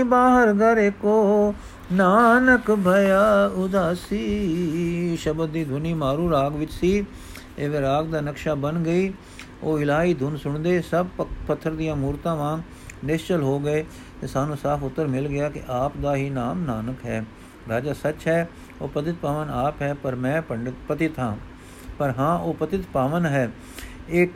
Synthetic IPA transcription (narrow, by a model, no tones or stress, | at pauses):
baːɦəɾɡəɾeːkoː | naːnəkbʱəjaːʊd̪aːsiː | ʃəbəd̪̚ːiːd̪ʱʊniːmaːɾũːɾaːɡʋɪt͡ʃsiː | eːʋeːɾaːɡd̪aːnəkʃaːbənɡəiː | oːɪlaːiːd̪ʱʊnsʊɳd̪eːsəb̚pət̪ʰːəɾd̪ɪjãːmuːɾt̪ãːʋãː | nɪst͡ʃəlɦoːɡəeː | t̪eːsaːnũːsaːpʰʊt̪ːəɾmɪlɡɪaːkɪ̰ʔaːpd̪aːɦiːnaːmnaːnəkɦɛː | baːd͡ʒaːsət͡ʃɦɛː | oːpət̪ɪt̪̚paːʋənaːpɦɛːpəɾmɛ̃ːpəɳɖəpət̪ɪt̪ɦãː | pəɾɦãːʔoːpət̪ɪt̪paːʋənɦɛː | ɪk